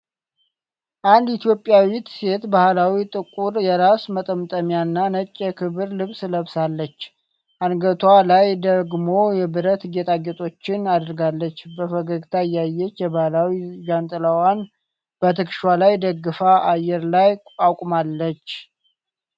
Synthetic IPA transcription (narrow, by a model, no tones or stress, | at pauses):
ʔand̪it̪ʰjo̞pʼːjawit̪se̞t̪bahlawit̪ʼɨkʼuɾjɛɾasmət̪ʼəmt̪ʼəmjanːanət͡ʃʼːəkʰɨβɨɾlɨβsləβsalːət͡ʃː | ʔanɡət̪ʰwalajd̪əɡmo̞jɛbɨɾət̪ɡet̪ʼaɡɛt̪ʼo̞t͡ʃːɪnad̪ɾɡalːət͡ʃːbəfəɡəɡt̪ʰajajːɛt͡ʃːjɛbahlawiɡant̪ʼɨlawan | b̥ət̪ʰɨkʃwalajd̪əɡɨfaʔajːɛɾlajʼawkʼmalːət͡ʃː